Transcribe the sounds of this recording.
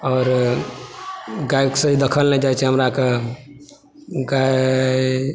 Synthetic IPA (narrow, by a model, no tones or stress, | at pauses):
ɔːɾ | ɡajksə̃id̪əkʰəlnɛd͡ʒajt͡ʃʰɛɦəmɾake | ɡa